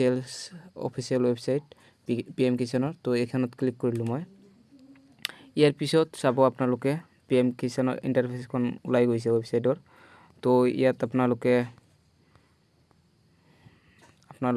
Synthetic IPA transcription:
elsɔ̰pʰisijalwebsajt | piɛmkisɔnɔɹtoɛjkʰanɔtklikːɔɹilʊ̃mɔj | ijaɹpisɔtsabɔapnalʊkɛ | piɛmkisɔnɔ̰ɹḭntaɹpʰeskʰɔnulajɡojs̬ɛwebsajtɔɹ | toḭjatapnalʊkɛ | apna

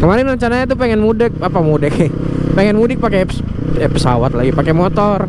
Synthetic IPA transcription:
kəmaɾɪnrəɲt͡ʃanaɲat̪̬upeŋɛnmudɪk̚apamudɪk | peŋɛnmudɪk̚pakɛ | pəsa̰wat̪̚laɡipakɛmɔt̪ɔr

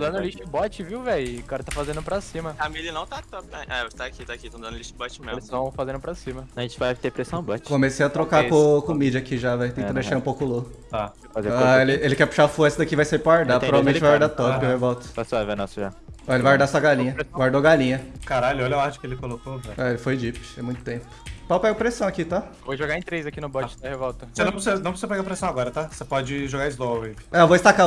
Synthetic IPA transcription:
d̪ɐ̃nʊliʃt͡ʃibɔt͡ʃɪviwvɛjkaɾɐt̪afazẽnd̪ʊpɾɐsĩmɐamilɪnɐ̃w̃t̪at̪ɔpɛoʃt̪aːkit̪akit̪ɐ̃d̪ɐ̃ʊliʃt͡ʃibɔt͡ʃɪmẽst̪ɐ̃w̃fazẽnd̪ʊpɾɐsĩmɐɐʒẽt͡ʃɪvajt̪epɾesɐ̃w̃bat͡ʃkkõmesejɐt̪ɾokakõkomid͡ʒɐakiʒavɛjt̪ẽt̪ɐd̪d̪eɪʃaɾũpowkʊlokʊt̪a | fazeaelɪelɪkɛpu̥ʃafoɾsɐd̪akivajsaipɾɐaɾd̪ap̪ɾɔvavemẽt͡ʃt͡ʃvajɡaɾd̪at̪ɔpɪvebɔt̪ʊ̥pasɔvɛnɔsʊʒaɔelɪvajwaɾd̪aɐsuɐɡal̃ɲɐɡaɾd̪oɡalĩɲɐkaɾalʊɔlɐwaɾt͡ʃʊ̥kɪelɪkolokovɛɛelɪfojd͡ʒipɪ̥t̪ẽmũj̃t̪ʊ̥t̪ẽpʊ̥pawpɛɡɐpɾesɐ̃w̃akit̪a | voʒoɡaɾẽt̪ɾejzakinʊbɔt͡ʃɪd̪ɐhevɔwt̪ɐseñpɾsunɐ̃psuɐpeɡapɾesɐ̃w̃aɡɔɾɐt̪asepɔd͡ʒɪʒoɡaɪzloiavoɪst̪aka

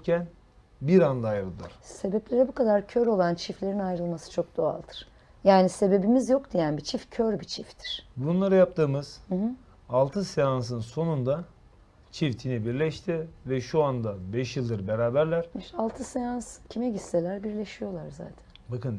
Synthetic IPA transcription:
cæn | biɾand̪aːjɾɯlˠd̪ɯɾ̥se̞bɛplʲe̞ɾɛbukad̪aɾcʰøɾo̞lˠant͡ʃʰiflʲe̞ɾinajɾɯlˠmasɯ̥t͡ʃʰo̞k̚d̪̥o̞a̰lˠd̪ɯɾ̥ | jaːnise̞be̞bimizjo̞kd̪ijænbit͡ʃʰifcʰøɾbit͡ʃʰift̪ʰi̥ɾ̥bunlˠaɾɯjap̚t̪ʰɯːmɯz̥ɯ̃ɦ̩ | alˠt̪ʰɯsejans̬ɯnso̞nund̪a | t͡ʃʰift̪ʰinibiɾlʲɛʃt̪ʰivɛʃuand̪abɛʃjɯlˠd̪ɯɾbeɾaːbæɾlʲæɾmiʃalˠt̪ʰɯsejanscʰimɛɟisse̞lʲæɾbiɾlʲe̞ʃijo̞lˠaɾza̰ːt̪ʰæ̥nbakɯn

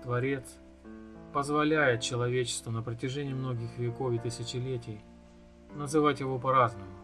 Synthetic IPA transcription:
t̪vɐɾʲe̞t̪s | pəzvɐlʲæjɪt̪̚t͡ɕɪlˠɐvʲet͡ɕɪ̥st̪vənəpɾətʲɪʐɛnʲɪjːmno̞ɡʲɪxvʲɪko̞fɪt̪ɨsʲɪt͡ɕɪlʲetʲɪj | nəzɨvatʲjɪvo̞pɐɾaznəmʊ

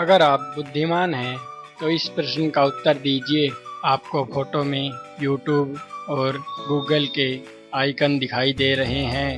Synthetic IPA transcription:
ɐɡəɾaːp̚bʊd̪ʱːɪmaːnɦɛ̃t̪oɪspɾəʃənkaʊt̪ːəɾd̪iːd͡ʒieaːp̚kopʰoːʈomẽjuːʈjuːbɔːɾɡuːɡəlke | aːɪkənd̪ɪkʰaːid̪eːɾɐɦeɦɛ̃ː

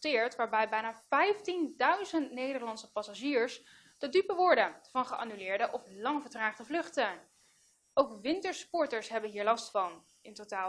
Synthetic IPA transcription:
tɪːɹtʋaːɹbɛjbɛjnaːv̥ɛjftindœɥzəntnejdəɹlɑnsəpɑsaʒiːɹs | d̥ədypəʋʊːɹdəvɑnχəʔa̰ːnylɪːɹdəʔɔflɑŋvəɹtraːχdəvlɵχtə | owkʋɪntəɹspɔɹtəɹsɦɛbənɦiːɹlɑstfɑn | ɪntotaː

